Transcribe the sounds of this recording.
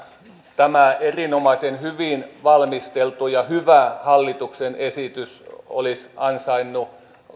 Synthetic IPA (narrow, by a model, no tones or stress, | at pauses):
t̪æmæerinomɑisenhyʋinʋɑlmist̪elt̪ujɑhyʋæhɑlːit̪uksenesit̪yso̰lisɑnsɑinːu